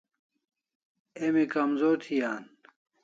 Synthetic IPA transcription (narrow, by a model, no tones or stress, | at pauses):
emikɐmzoːt̪ʰijaːn